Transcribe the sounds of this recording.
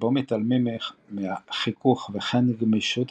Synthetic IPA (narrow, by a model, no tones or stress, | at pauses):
bomet̪almemɛχmeaχikuχveχɛnɡmeʃut̪